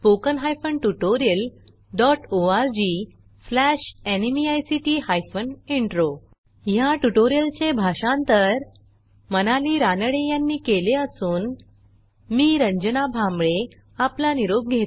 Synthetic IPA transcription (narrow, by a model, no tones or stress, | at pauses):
pokənɦajfənʈuʈoɾijəl | ɖɔʈoaɾd͡ʑi | slæɕenimiajsiʈiːhajfəneɳʈɾo | ɦjaʈuʈoɾijəlt͡ɕebʱaɕãnt̪əɾ | mənaliːɾanəɽejãnːiːkeleəsuːn | miːɾəɲd͡ʑənabʱãmbɭe | aplaniɾob̚ɡʱet̪